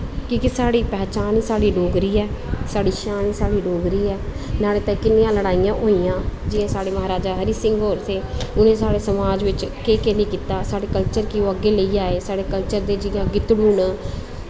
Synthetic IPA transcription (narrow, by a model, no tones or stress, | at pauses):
kɪkɪsaːɽiːpɛːt͡ʃaːnsaːɽiːɖoːɡɾiːɛːsaːɽiːʃaːnsaːɽiːɖoːɡɾiːɛːnaːleːt̪ɛ̃ːkɪnːĩːãːləɽaːijãːʔoːiːjãːd͡ʒɪẽːsaːɽeːməɦaːɾaːd͡ʒaːɦəɾiːsɪ̃ŋɡɦoːɾseːʊnẽːsaːɽeːsəmaːd͡ʒʋɪt͡ʃkeːkeːliːkiːt̪aːsaːɽeːkəlt͡ʃəɾkɪoːəɡeːləiːaːeːsaːɽeːkəlt͡ʃəɾd̪eːd͡ʒɪãːɡɪt̪ɽuːɳː